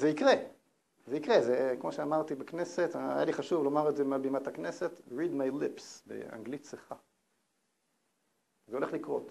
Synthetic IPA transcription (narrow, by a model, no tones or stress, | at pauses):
zeikʁe | zeikʁezekmo̞ʃeamaʁt̪ibekne̞set̪a̰jaliχaʃuvlomaʁedzemalbimatakne̞set̪ʁid̪majlipsbḛa̰ŋɡlit̪seχa | zeo̞le̞χlikʁo̞̰t